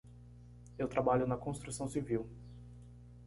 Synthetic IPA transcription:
ewt̪ɾabaʎʊnɐkõst̪ɾusɐ̃w̃siviw

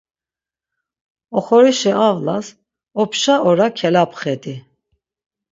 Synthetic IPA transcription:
ɔχɔɾiʃɛavlas | ɔpʰʃaʔɔɾakʰɛlapʰχɛd̪i

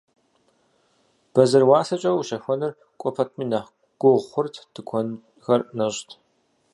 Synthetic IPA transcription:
b̥ɐzɨrwaːsɐt͡ʃʼɐwuʃɐxʷɔnɨr | kʷʼɔpʰɐtʰmiːnɐ | ɡ̥ʷʊʁχʷʊrtʰd̥ɨkʷʰɔn | xɐrnɐɕtʰ

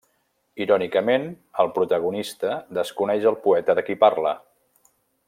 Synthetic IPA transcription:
iɾɔnikəmen | əlˠpɾut̪əɣ̞unist̪əd̪əskunɛʒəlˠpuɛt̪əðəkiparlə

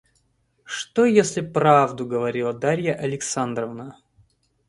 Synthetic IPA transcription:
ʂt̪ojesʲlʲɪpɾavd̪ʊɡəvɐɾʲilˠəd̪aɾʲjəʔɐlʲɪksand̪ɾəvnə

